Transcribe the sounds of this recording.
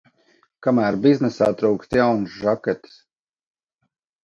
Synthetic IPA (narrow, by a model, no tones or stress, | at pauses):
kamæːɾbiznɛsaːt̪ɾuːkst̪jawnsʒakɛt̪i̥s